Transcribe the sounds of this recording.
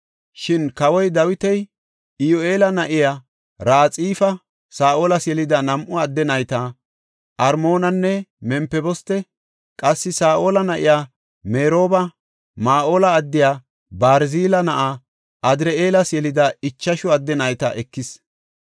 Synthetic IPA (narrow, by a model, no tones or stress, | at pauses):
ʃɪnkɐwɔjd̪ɐwɪt̪ɛj | ɪjoe̞ːlɐnɐʔɪjaː | ɾaːt͡sʼiːfɐ | saːʔoːlɐsjɛlɪd̪ɐnɐmʔʊɐd̪ːɛnɐjt̪ɐ | ʔɐɾmo̞ːnɐnːɛmɛmpːɛbɔst̪ːɛ | kʼɐsːɪsaːʔo̞ːlɐnɐʔɪjaː | meːɾo̞ːbɐ | maːʔoːlɐːd̪ːɪjaː | baːɾziːlɐnɐʔa | ɐd̪ɾɛeːlɐsjɛlɪd̪ɐɪt͡ʃːɐʃʊɐd̪ːɛnɐjt̪ɐ̰ʔɛkːɪs